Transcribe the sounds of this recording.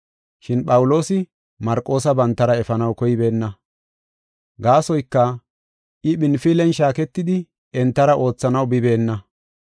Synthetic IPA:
ʃɪnɓʼɐwʊlo̞ːsɪ | mɐɾkʼːo̞ːsɐbɐnt̪ːɐɾɐɛfɐnɐwkɔjɪbe̞ːnːɐ | ɡaːsɔjkːɐ | ʔɪɓɪnfɪlɛnʃaːkɛt̪ːɪd̪ɪ | ɛnt̪ːɐɾɐʔo̞ːt͡sːɐnɐwbɪbe̞ːnːɐ

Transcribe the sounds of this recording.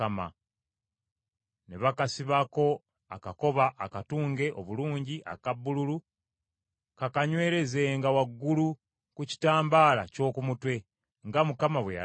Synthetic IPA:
ama̰ | ne̞βakasiβako̞ | a̰kako̞βaʔːkatuːŋɡe̞ʔoβuluːɲɟiʔa̰kabːululu | kakaɲwe̞ːɾe̞ze̞ŋɡawaɡːulu | kuci̥taːmbaːla̰co̞ːkumutwe̞ | ŋɡamukamaβweja̰

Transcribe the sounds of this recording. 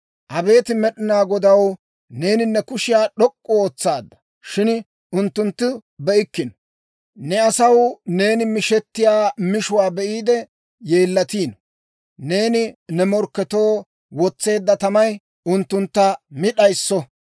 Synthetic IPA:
ʔɐbe̞ːt̪ɪmɛɗɪnaːɡɔd̪ɐw | ne̞ːnɪnːɛkʊʃɪjaːɗɔkʼːɔoːt͡sːaːd̪ːɐ̥ | ʃɪn | ʊnt̪ːʊnt̪ːɪbɛʔɪkːɪnɔ | nɛɐsɐwne̞ːnɪmɪʃɛt̪ːɪjaːmɪʃʊwaːbɛʔiːd̪ɛ | je̞ːlːɐt̪iːn | ne̞ːnɪnɛmɔɾkːɛt̪o̞ː | wɔt͡sːe̞ːd̪ːɐt̪ɐmɐj | ʊnt̪ːʊnt̪ːɐmɪɗɐjsːɔ

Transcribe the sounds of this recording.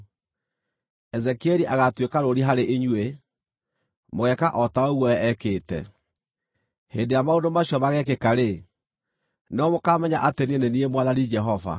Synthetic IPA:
ɛzɛkeɾiʔaɣatwekaɾoɾiɦaɾeʔiɲwe | moɣɛkaʔɔtaoɣwɔɛkeːtɛ̰ | heːndejamaondomaɕjɔmaɣɛkekaɾe | neɔmokaːmɛɲaʔatenieneniemwaðaɾid͡ʒɛɦɔva̰

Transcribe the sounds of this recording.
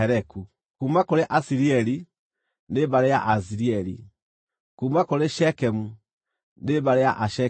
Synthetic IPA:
ɛɾɛku | kumakoɾeʔasiɾiɛɾi | nebaɾeja̰ʔas̬iɾiɛɾḭ | kumakoɾeʃɛkɛmu | neβaɾeja̰ʔaʃɛ

